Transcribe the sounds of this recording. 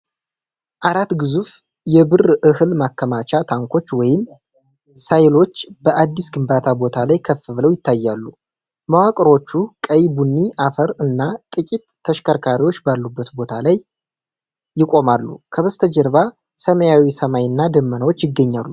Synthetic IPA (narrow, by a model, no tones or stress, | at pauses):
ʔaɾat̪ɡɨzuf | jɛbɨrʔɨhɨlmakːəmat͡ʃat̪ʰaŋkʰʷo̞t͡ʃːwɔjɪm | sajlo̞t͡ʃːbəʔad̪ːisɡɨmbat̪ʰabo̞t̪ʰalajkʰəfɨβləwjɪt̪ʰːajːalːu | mawakʼɾo̞t͡ʃːukʼəjbunːiʔafəɾɨnːat̪ʼɨkʼit̪ʰːəʃkʰəɾkʰaɾiwot͡ʃːbalːubːət̪bo̞t̪ʰalaj | jɪkʼo̞malːukʰəβəst̪ʰəd͡ʒɛɾβa | səməjawisəmajɨnːad̪əmːənəwo̞t͡ʃːjɪɡːəɲːalːu